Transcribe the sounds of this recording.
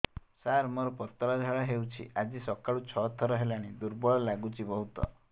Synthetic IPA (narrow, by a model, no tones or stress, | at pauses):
saɾmɔɾɔpɔɾt̪ɔɾad͡ʒʱaɭaɦewt͡ʃʰḭʔad͡ʒisɔkaɭut͡ʃʰɔt̪ʰːɔɾɔɦelaɽ̃id̪uɾbɔɭɔlaɡut͡ʃʰibɔɦut̪ɔ̰